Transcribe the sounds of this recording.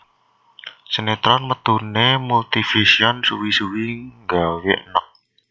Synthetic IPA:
sənet̪ɾɔnmət̪unemult̪ifisiansuwisuwiŋɡaweʔənək̚

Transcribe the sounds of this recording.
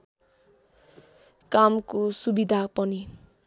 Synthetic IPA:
kamkosubid̪ʱapʌni

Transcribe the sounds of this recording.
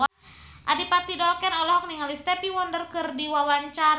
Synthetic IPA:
ʔadipat̪idɔkɛnɔlɔɦɔk̚niŋalist̪ɛpiwɔndərkɨrdiwawaɲt͡ʃar

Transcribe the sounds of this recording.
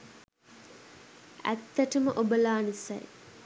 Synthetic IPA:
æ̰t̪ːɐʈəməʔobəlaːnisɐ̰j

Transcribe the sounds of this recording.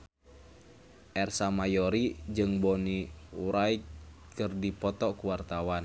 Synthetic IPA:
ʔɛrsamajɔɾid͡ʒɨŋbɔniuɾʔaikkɨrdipɔt̪ɔkuwart̪awan

